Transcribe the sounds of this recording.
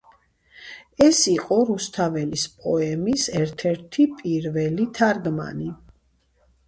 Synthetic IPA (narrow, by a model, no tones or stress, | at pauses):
ɛsiqʼɔɾust̪ʰavɛlispʼɔɛmisɛɾt̪ʰɛɾt̪ʰipʼiɾvɛlit̪ʰaɾɡma̰ni